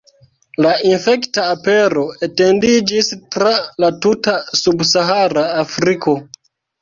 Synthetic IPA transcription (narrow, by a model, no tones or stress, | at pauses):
lainfe̞ktaːpe̞ɾo̞ete̞ndid͡ʒistɾalatutasubsaɦaɾaːfɾiko̞